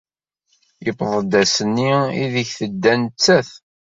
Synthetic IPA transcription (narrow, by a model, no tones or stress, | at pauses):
əpːðˤəd̪æsənːiḭðəçθəd̪ːænət͡sːæθ